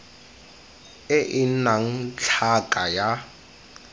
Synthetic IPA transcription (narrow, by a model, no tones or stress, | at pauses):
ɪʔɪnaŋ̩t͡ɬʰakʼaja